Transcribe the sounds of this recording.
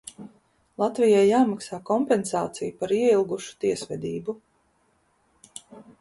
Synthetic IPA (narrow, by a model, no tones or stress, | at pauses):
lˠat̪vijajːaːmaksaːkɔmpɛnsa̰ːt̪sijupaɾiɛilˠɡuʃu̥t̪iɛsvɛd̪ʲiːbu